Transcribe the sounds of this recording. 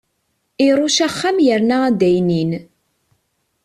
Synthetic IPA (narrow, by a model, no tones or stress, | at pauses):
iɾˤuʃæχːamjəɾnææd̪æjnin